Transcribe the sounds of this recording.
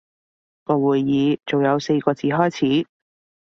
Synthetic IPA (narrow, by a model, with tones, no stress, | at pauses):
kɔː˧wuː˨jːiː˨˧t͡so˨˩wjɐ˨˧wse˧jkɔː˧t͡siː˨˥ɦɔː˥jt͡sʰiː˨˥